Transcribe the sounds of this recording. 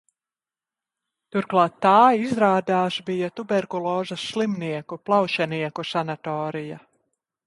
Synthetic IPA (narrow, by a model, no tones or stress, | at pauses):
t̪uɾklˠɑːt̪ːaːizɾaːd̪aːʃbijat̪ubɛɾkulˠoːzɐsʃlˠimniɛkuplˠawʃɛniɛkusanat̪ɔːɾija